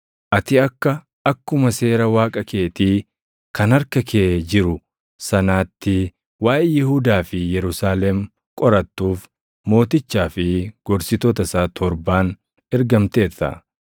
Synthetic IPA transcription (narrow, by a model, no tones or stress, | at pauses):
ʔɐt̪ɪɐkːɐ | ɐkːʊmɐse̞ːɾɐwaːkʼɐkeːt̪iː | kʰɐnɐɾkɐkʰeːd͡ʒɪɾʊ | sɐnaːt̪ːɪ | waːʔjɪhud̪aːfɪjɛɾʊsaːlɛm | kʼɔɾɐt̪ːuːf | mo̞ːt̪ɪt͡ʃːaːfɪɡ̥ɔɾsɪt̪ɔt̪ɐsaːt̪ʰɔɾbaːn | ɛɾɡɐmt̪e̞ːtːɐ̰